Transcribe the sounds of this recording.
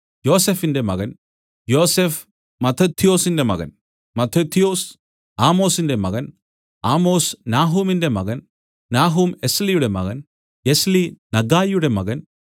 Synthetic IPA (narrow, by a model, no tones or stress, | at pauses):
jo̞ːsefinde̞mɐɣɐn | jo̞ːsef | mɐt̪ʰːɐt̪ʰːijo̞ːsinde̞mɐ̰ɣɐ̰n | mɐt̪ʰːɐt̪ʰːijo̞ːs | aːmo̞ːsinde̞mɐɣɐn | aːmo̞ːsnaːɦuːminde̞mɐɣɐn | naːɦumeslijuɽe̞mɐ̰ɣɐn | eslinɐɡaːjjuɽe̞mɐɣɐn